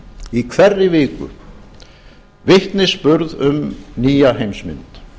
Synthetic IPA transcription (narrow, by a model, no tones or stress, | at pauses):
ikʰvɛrːɪvɪːkʏ̰ | vɪht̪nɪspʏɾðʏmniːjaɦejmsmɪ̰nt̪